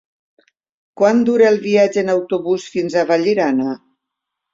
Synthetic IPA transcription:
kwand̪uɾeːlˠβiad͡ʒeːnawt̪uβusfinzaβaʎiɾana

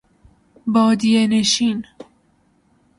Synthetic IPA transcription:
bɒːd̪ijeneʃiːn

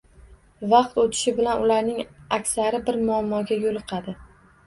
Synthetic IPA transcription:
vɑqt̪ot̪ʰɪ̥ʃɪbɪlanʊlaɾnɪŋakʲsaɾɪbɪɾmʊamːɒɡʲajolˠɨqʰɑd̪ɪ

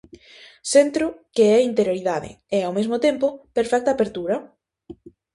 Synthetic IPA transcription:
sent̪ɾʊkeɛint̪eɾjoɾiðaðɪ̰ | ɛawmezmʊt̪empʊpeɾfɛk̚t̪aːpeɾt̪uɾɐ

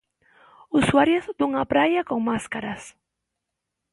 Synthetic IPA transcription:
usuaɾjozd̪uŋapɾajakoŋmaskaɾas

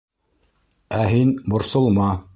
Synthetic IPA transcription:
æɦinbŏɾsŏlˠmɑ

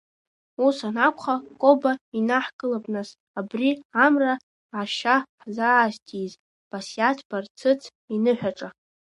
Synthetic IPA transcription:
usanakʷʰχakʼobainaħkʼɨlabnas | abriamra | aʃaħzaːstʰʼiz | b̥asjatʰb̥art͡sʰɨt͡sʰ | inɨħʷᶣaʈ͡ʂʼa

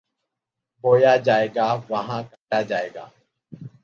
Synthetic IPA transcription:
boːjad͡ʒaːeːɡaːʋəɦãkəʈad͡ʒaːeːɡa̰ː

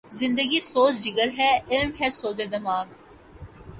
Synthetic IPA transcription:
zɪ̃nd̪əɡisoːt͡ʃd͡ʒɪɡəɾɦɛɪlmɦɛsoːzed̪ɐmaːɡ

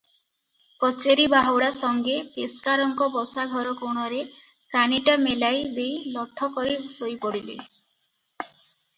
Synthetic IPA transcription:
kɔt͡ʃeɾibaɦowɽasɔŋɡepeskaɾɔŋkɔbɔsaɡʱɔɾɔkoɽ̃ɔɾe | kaniʈamelajd̪ejlɔʈʰːɔkɔɾisojpɔɽilḛ

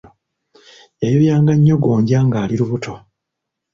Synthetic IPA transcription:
jajojaːŋɡaɲːo̞ɡoːɲɟaŋɡaːliɾuβutʰo̞

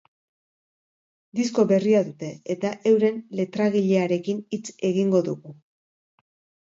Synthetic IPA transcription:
d̪isko̞βe̞riaðut̪e̞ːt̪aʔe̞wɾe̞nle̞t̪ɾaɣiʎe̞aɾe̞kinit͡se̞ɣiŋɡo̞ðuɣu

